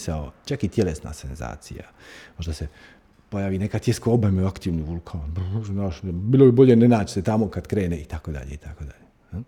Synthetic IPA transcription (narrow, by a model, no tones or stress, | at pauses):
saot͡ʃakit̪jelesna̰ːsenza̰ːt̪sḭja̰ | mo̞ʒd̪ase | po̞jaːʋiːne̞kat̪ʲjeskoobameakt̪iːʋniːʋulkʰaːnbnaʃnbiːlˠoibo̞ʎenenaːt͡ʃset̪amokad̪kɾe̞ːneit̪akod̪a̰ʎeit̪ʰakod̪a̰ʎe